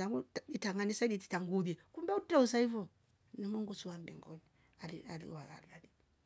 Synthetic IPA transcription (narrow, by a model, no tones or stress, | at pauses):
aŋɡuitaŋanisaɗiti̥taŋɡuðiɛkumbɛutɛusaivɔ | nimuŋɡusuwambɛ̰ŋɡɔni | alialḭwala̰lali